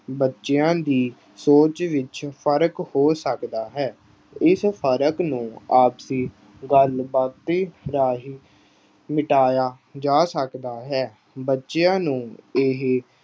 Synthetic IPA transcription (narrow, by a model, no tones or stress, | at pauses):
bətːʃejãːd̪iː | soːt͡ʃʋɪt͡ʃpʰəɾəkhoːsəkd̪aːɦɛː | ɪspʰəɾəknũːaːpsiː | ɡəlbaːt̪ːiːɾaːɦiː | mɪʈaːjaː | d͡ʒaːsəkd̪aːɦɛː | bətːʃejãːnũːɪɦ